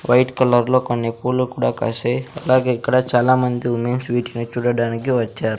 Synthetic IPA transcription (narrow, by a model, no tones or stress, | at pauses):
ʋɐjʈkɐlɐɾlo̞ːkonːipuːlukuːɽaːkɐ̰seɐlaːɡeikːɐɽɐt͡ʃaːlaːmɐnd̪iumeːnsʋiːʈinut͡ʃuːɽɐɽaːnikiʋɐt͡ʃːaːɾu